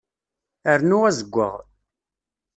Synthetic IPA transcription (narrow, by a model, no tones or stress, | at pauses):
əɾnʊʁæzəɡʷːə̰ʁ